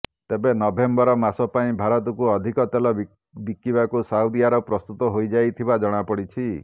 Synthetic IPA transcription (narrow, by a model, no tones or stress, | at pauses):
t̪ebenɔbʱembɔɾɔmasɔpaĩbʱaɾɔt̪ɔkuɔd̪ʱikɔt̪elɔ | bikibakusaud̪iaɾɔpɾɔst̪ut̪ɔɦojd͡ʒajt̪ʰibad͡ʒɔɽ̃apɔɽit͡ʃʰi